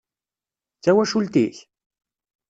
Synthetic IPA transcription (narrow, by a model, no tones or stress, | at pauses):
t͡ʃawaʃʊlt̪iːç